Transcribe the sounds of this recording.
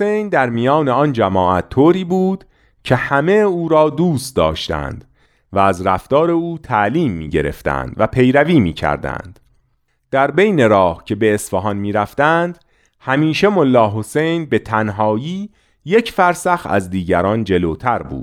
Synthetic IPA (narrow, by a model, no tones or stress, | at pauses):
osejnd̪æɾmijɒːneɒːnd͡ʒæmɒːʔæt̪ʰːoːɾiːbuːd̪̥ | cʰe̞hæme̞uːɾɒːd̪uːst̪̚d̪ɒ̰ːʃt̪æ̰nd̪̥ | vææzɾæft̪ɒːɾe̞uːt̪ʰæʔliːmːḭːɟe̞ɾe̞̰ft̪æ̰nd̪̥væpʰe̞jɾæviːmḭːcʰæ̰ɾd̪æ̰nd̪̥ | d̪̥æɾbejne̞ɾɒːhcʰe̞be̞ːsfɒɦɒnmiːɾæft̪ænd̪̥ | hæmiːʃemolːɒːɦo̞se̞jnbe̞t̪ʰænɦɒːjiː | je̞cfæɾsæxæ̰zd̪iːɟæɾɒːnd͡ʒe̞loːt̪ʰæɾbṵːd̪̥